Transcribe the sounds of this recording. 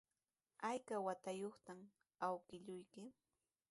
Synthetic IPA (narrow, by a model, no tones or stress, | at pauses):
ajkawat̪ajoχt̪am | awkɪʎʊjkɪ